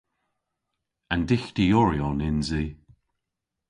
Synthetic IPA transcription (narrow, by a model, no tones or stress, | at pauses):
andɪxd̪ijɔɹiɔnɪnzi